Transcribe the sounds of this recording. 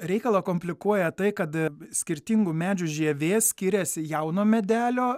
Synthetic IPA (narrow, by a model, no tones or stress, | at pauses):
ɾʲɛɪkɐlˠɐkoːmʲpʲlʲɪkuɔjɛt̪ɐɪkɐt̪sʲkʲɪɾʲt̪ʲiŋɡumʲæːd͡ʒʲuʒʲiɛʋʲeːsʲkʲiːɾʲeːsʲjɐʊnoːmʲɛd̪ʲæːlʲoː